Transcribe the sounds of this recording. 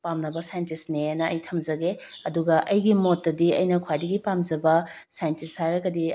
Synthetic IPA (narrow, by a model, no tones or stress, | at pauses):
pamnɐbɐsajɐntisnenɐɐ̰jtʰɐmzɐɡe | ɐduɡɐʔɐjɡimotːɐdiɐjnɐkʰwajdɐɡipamzɐbɐ | sajntishaɾɐɡɐdi